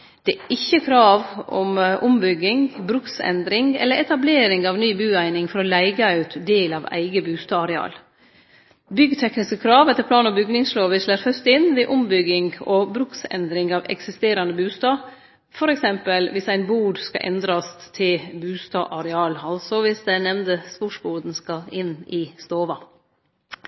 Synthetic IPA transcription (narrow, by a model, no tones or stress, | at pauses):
d̪̥ɛæːʔɪçːəkʰɾɑːʋʔɔ̰mʔʊmbʏɡːɪŋbɾʉksɛ̰nd̪ɾɪŋɛ̰lːəɾɛt̪ɑbleːɾɪŋɑʋnyːbʉːæɪnɪŋfɔɾɔlæɪɡəœʉt̪d̪eːlɑʋæ̰ɪɡəbʉːst̪ɑːɑɾɛɑ̰ːl | bʏɡət̪ʰɛknɪskəkʰɾɑːʋɛt̪ːəɾpʰlɑːnɔbʏɡnɪŋsloːʋəʂlæːɾfœst̪ɪnʋɪʔʊmbʏɡːɪŋɡɔbɾʉksɛ̰nd̪ɾɪŋɑːʋɛ̰ksɪst̪eːɾɑnəbʉːst̪ɑː | fɔɾɛksɛmpəlʋɪsæɪnbuːɖskɑ̰ʔɛ̰nd̪ɾɑst̪ʰɪlbʉːst̪ɑ̰ːʔɑɾɛɑːlɑlsɔʋɪsd̪ænɛmnd̪əspʊʂbuːd̪n̩skɑɪnɪst̪oːʋɑ